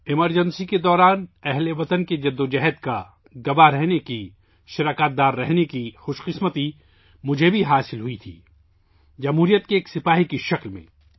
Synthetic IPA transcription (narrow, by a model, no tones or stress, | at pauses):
ɪməɾd͡ʒə̃nsiked̪ɔːɾaːnɛɦleʋɐt̪ənked͡ʒɐd̪ːod͡ʒɐɦɛd̪ka | ɡɐbaɾɛɦneki | ʃɪɾaːkaːt̪̚d̪aːɾːɛɦnekixʊʃqɪsmət̪i | mʊd͡ʒʱebʱiɦaːsɪlɦʊit̪ʰḭː | d͡ʒɐmɦuːɾijət̪̚keːksɪpaːɦikiʃɐklmḛ̃ː